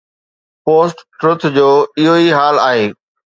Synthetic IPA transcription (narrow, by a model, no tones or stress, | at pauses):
poːsʈːɾʊt̪ʰd͡ʑoːɪɦoiɦaːlaːɦeː